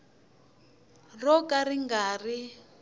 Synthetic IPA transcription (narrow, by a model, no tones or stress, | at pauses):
rɔkariŋɡaːri